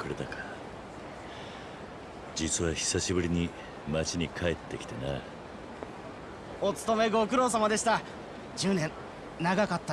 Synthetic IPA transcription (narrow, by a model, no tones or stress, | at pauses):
kɯɾe̞t̪aka | d͡ʑit͡sɨβaçi̥saɕibɯ̟ɾʲiɲ̟i | mat͡ɕiɲ̟ikʰaet̪ːe̞kʲi̥t̪ena | o̞t͡sɨ̥t̪o̞me̞ɡo̞k̬ɯ̟ɾo̞ːs̬amad̪e̞ɕi̥t̪a | d͡ʑɨːnẽ̞ | naɡakat̪ːa